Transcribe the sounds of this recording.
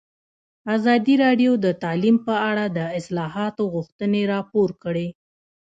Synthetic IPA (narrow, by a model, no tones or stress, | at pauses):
azɑd̪iɾɑɖjod̪ət̪ɑlimpəaɽad̪əɪslɑɦɑt̪oɣʊxt̪əneɾɑpoɾkəɽe